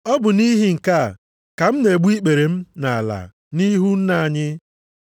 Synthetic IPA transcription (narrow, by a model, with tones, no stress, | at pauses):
ɔ˦bʊ˨ni˦ɦi˦ŋ̩˨ka˦˨ | ka˨m̩˦ne˨ɡ͡bu˦i˦k͡pe˨ɾe˨m̩˦na˨a˨la̰˨ | ni˦ɦu˦n̩˦na˦˨a˨ɲɪ˦